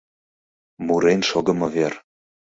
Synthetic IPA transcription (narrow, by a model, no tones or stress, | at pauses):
muɾenʃoɡɤ̆mɤ̆ver